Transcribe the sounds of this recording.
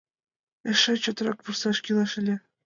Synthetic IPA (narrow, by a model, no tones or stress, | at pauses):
ɘ̆ʃɘt͡ɕŏt̪rɑk̚pursɑʃkʲilˠɑʃɘ̆lʲĕ